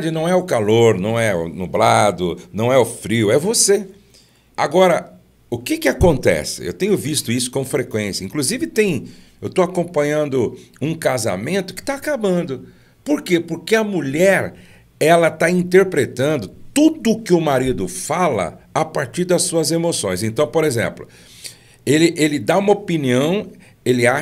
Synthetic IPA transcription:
d͡ʒɪnɐ̃w̃ɛʊkaloɾnɐ̃w̃ɛʊ̰nʊblad̪ʊnɐ̃w̃ɛʊfɾiwɛvose | a̰ɡɔɾɐ | ʊkɪkɪakõnt̪ɛ̰sɪ̰ḛwt̪ẽɲʊvist̪ʊisʊ̥kõfɾekwẽsjɐĩkluzivɪt̪ẽj̃ | ewt̪oakõpɐ̃ɲɐ̃nd̪ʊũkaza̰mẽnt̪ʊ̥kɪ̥t̪aːkabɐ̃nd̪ʊ | poɾkepoɾkɪɐmuʎɛɾ | ɛlɐt̪aĩnt̪eɾpɾet̪ɐ̃nd̪ʊt̪ud̪ʊkɪʊmaɾid̪ʊfalɐ̰apaɾt͡ʃiɾd̪ɐsuɐzemosõj̃sẽnt̪ɐ̃w̃poɾezḛ̃plʊ | elɪʔelɪd̪aũmɐopiniɐ̃w̃ | elɪa

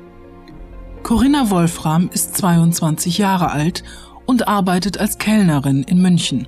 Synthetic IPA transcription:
kʰɔʁɪnavɔlfʁamɪstt͡sv̥aɪʊntt͡sv̥ant͡sɪçjaːʁəʔalt | ʔʊntʔaɐbaɪtətalskʰɛlnəʁɪnɪnmʏnçn̩

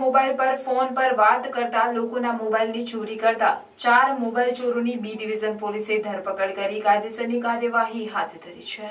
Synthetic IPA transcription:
mobailpəɾfonpəɾʋat̪kəɾt̪alokonamobailnit͡ʃoɾikəɾt̪a | t͡ʃaɾmobailt͡ʃoɾonibidiʋid͡ʒənpolised̪ʱəɾpəkəɽkəɾikad̪esənikaɾjəʋaɦiɦat̪ʰd̪ʱəɾḭt͡ʃʰe

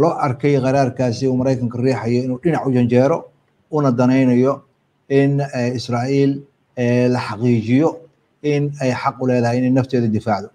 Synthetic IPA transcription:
lɔːʔɐrkʰɛjqɑɾaːrkʰaːsɪuːmɐɾɛjkʰɐŋkʰɐriːħɑjɔɪnuːɖɪnɑʕʊt͡ʃɐnt͡ʃɛːɾɔ | unɐd̪ɐnɛjnɐjɔ | ɪnɛɪsraːʔiːl | ɛːlɐħɑqiːt͡ʃɪjɔ | ɪnɛjħɑqʊlɛːðɐɦɛjɪnɛjnɐft̪ʰɛːðɐd̪ɪfaːʕðɔ

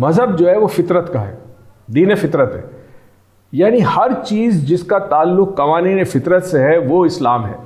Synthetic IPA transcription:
mɐzɦəb̚d͡ʒoːɦɛʋofɪt̪ɾət̪kaɦɛ̰ːd̪iːnefɪt̪ɾət̪ɦɛ̰ː | jaːnihɐɾt͡ʃiːzd͡ʒɪskat̪aːlːʊkːɐʋaːniːnefɪt̪ɾət̪seɦɛʋoɪslaːmɦɛ̰ː

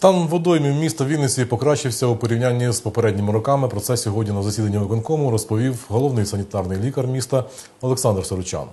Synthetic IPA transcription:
t̪ɑnʋɔd̪ɔjmʲiwmʲist̪ɐʋʲilʲnɪt͡sʲipɔkɾɑt͡ʃɪwsʲɐupɔɾʲiwnʲanʲːizpɔpeɾɛdʲnʲimɪɾɔkɑmɪpɾɔt̪sɛsʲɔɦɔdʲnʲinɐzɐsʲid̪ɐnʲːiʋɐkɔnkɔmʊɾɔspɔʋʲiwɦɔlˠɔwnɪjsɐnʲit̪ɑrnɪjlʲikɐrmʲist̪ɐ | ɔlˠeksɑnd̪rsɔɾʊt͡ʃɑ̰n

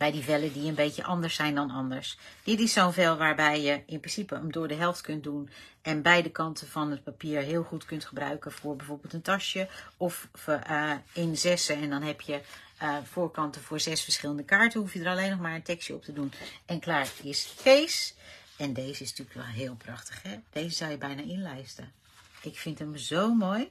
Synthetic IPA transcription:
b̥ɛjdivɛlədiənbejtə̰ʔɑndəɹsɛjndɑnɑ̰ndəɹsd̥ɪtɪsːownvɛlˠʋaːɹbɛjjəɪnprɪnsipəəmdoːɹdəɦɛlˠftkøn̚dunɛnbɛjdəkɑntʰənvɔnət̚papiːɹɦɪːlˠχutkøntχəbrœ̰ɥkəvoɹbɛjv̥oːɹbɪːlˠtəntɑsjəɔf | ɪnzɛsəɛndɔnɦɛpʰjə | foːɹkɑntəfoːɹzɛsfəɹsχɪləndəkaːɹtənhufjədəralejnːɔxmaːɹəntɛksjəɔ̰p̚tədunɛnklaːɹɪsfejsɛndeːzəɪstykʋɛlˠɦɪːlˠprɑxtə̥xhɛd̥eːzəzɑlˠjəbɛjnaɪnlɛjstə | ʔɪkfɪntəmzowmoj

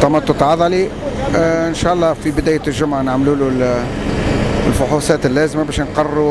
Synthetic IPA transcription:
t̪ɑmɑt̪ˤːʊt̪ʕɑðˤɑli | ʔɪnʃæːʔɑlˤːɑːfibɪd̪æːjæʒʊmʕnaʕmluːlul | lfʊħusˤɑːt̪ɪlːæːzmabæːʃnqɑrɾu

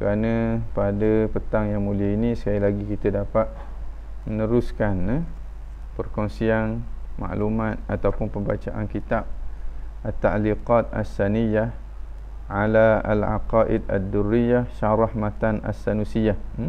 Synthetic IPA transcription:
kəɾanə̃padəpət̪aŋjaŋmuliəinisə̥kajilaɡikit̪ədapat̪̚ | mənəɾuskanə | pərkɔnsianma̰ʔlumãt̪̚at̪awpʊnpəmbat͡ʃaʔankit̪ab̚ʔat̪ːa̰ʔliqat̪̚a̰sːanija | ʕalaa̰lʕa̰qɑʔɪd̪a̰d̪ːurːijaʃaɾɑhmat̪ana̰sːanusijah

